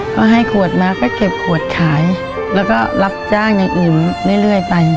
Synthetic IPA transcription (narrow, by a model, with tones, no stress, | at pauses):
kkʰɔː˧˩ɦa˧˩jkʰu˨˩ə˩t̪̚maː˦˥kʰɔː˥˩ke˨˩p̚kʰu˨˩ət̪̚kʰaː˩˦j | lɛː˦˥wkɔː˥˩la˦˥p̚t͡ɕaː˥˩ŋja˧ŋʔɯː˨˩nlɯ˥˩˨jlɯ˥˩əjpa˧j